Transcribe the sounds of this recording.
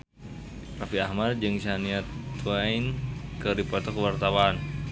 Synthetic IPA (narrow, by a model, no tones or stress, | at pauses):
rafiahmad̚d͡ʒɨŋsaniat̪uwainkəɾipɔt̪ɔkəwart̪awaːn